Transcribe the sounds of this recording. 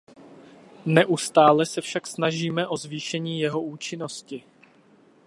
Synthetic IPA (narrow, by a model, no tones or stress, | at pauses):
nɛʔust̪aːlɛsɛfʃaksnaʒiːmɛʔo̞zviːʃɛɲiːjɛɦo̞uːt͡ʃɪno̞scɪ